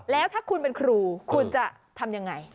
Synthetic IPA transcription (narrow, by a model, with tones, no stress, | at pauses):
lɛː˦˥wt̪ʰaː˥˩kʰu˧npe˧nkʰɾuː˧kʰu˧nt͡ɕa˨˩ʔ | t̪ʰa˧mja˧ŋːa˧j